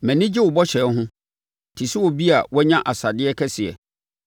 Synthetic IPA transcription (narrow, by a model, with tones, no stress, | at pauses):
mɛ̃˨nɪ̃˦d͡ʑɪ˦wʊ˨bɔ˦ɕɛ˨˦ɦʊ̃˦ | tʰi˨sɪ˦wɔ˨bi˦a̰˨wɛ˦ɲã˦ʔa˨sa˨dɪ˦ɛ˦kʰɛ˦sɪ˨ɛ̰˨